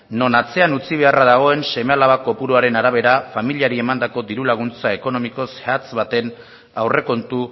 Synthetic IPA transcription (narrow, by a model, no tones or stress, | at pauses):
no̞nat͡se̞anut͡siβ̞e̞araðaɣ̞o̞e̞nse̞mealaβako̞puɾuaɾe̞naɾaβ̞e̞ɾafamiliaɾie̞mand̪ako̞d̪iɾulaɣ̞unt͡saeko̞no̞miko̞sat͡sβat̪e̞n | awre̞ko̞nt̪u